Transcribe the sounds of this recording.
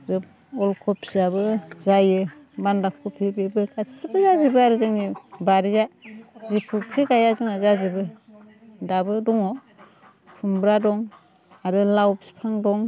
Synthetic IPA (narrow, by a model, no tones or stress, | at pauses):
ɾɯ | ɔlkʰɔpsiabɯzajɯbandakʰɔpʰibebɯkʰasibɯzazibɯaɾɯzɯŋnibaɾijazipʰukʰɯɡajazɯŋazazibɯ | dabɯdɔŋɔ | pʰumbɾadɔŋ | aɾɯlawbi̥pʰaŋdɔŋ